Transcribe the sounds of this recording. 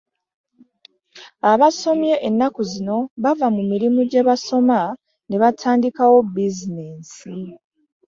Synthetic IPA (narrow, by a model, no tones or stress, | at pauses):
aβaso̞mje̞ʔenːakuzino̞βavamumiɾimuɟe̞βaso̞ma | ne̞βatʰaːndikawo̞bizine̞ːsi